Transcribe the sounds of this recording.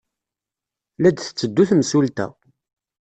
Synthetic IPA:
læd̪θə̥t͡sːəd̪ːuθmsult̪æ̰

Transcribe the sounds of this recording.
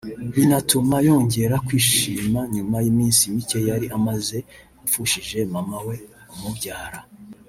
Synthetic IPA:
βinatumajo̞ːɲɟe̞ɾakwiːʃiːmaɲumajimiːnsimice̞jaɾiʔamaze̞ | ufuʃiʒe̞mamawe̞umubɟaːɾa

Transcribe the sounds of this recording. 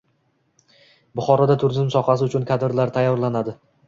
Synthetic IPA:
bʊχɒɾɒd̪at̪ʰʊɾzɪmsɒqɑs̬ɪʊt͡ʃʰʊnkʰad̪ɪɾlaɾt̪ʰajːɒɾlanad̪ɪ

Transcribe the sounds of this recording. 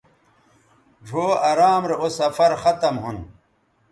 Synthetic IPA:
d͡ʑʱoːɐɾaːmɾeosɐfɐɾxɐt̪ɐmɦun

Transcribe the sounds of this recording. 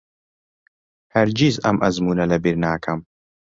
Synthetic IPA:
hɐɾd͡ʒiːzɐmʔɐzmuːnɐlɐbiɾnaːkʰɐm

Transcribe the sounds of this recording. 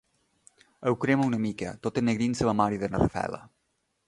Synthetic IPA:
əwkɾemaunəmikə̰t̪ot̪enːeɣɾinsəβamaɾiðenərəfɛ̰lə̰

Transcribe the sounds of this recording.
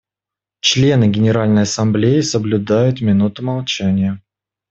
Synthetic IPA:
t͡ɕlʲe̞nɨɡʲɪnʲɪɾalʲnəjɐsɐmblʲejɪsəblʲʊd̪ajʊt̪mʲɪnut̪ʊmɐlˠt͡ɕænʲɪjə

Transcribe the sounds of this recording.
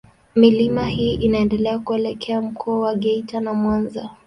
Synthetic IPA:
milimahiːʔinaɛndɛlɛakuɛlɛkʰɛam̩kʰɔːwaɠɛitanamwanza

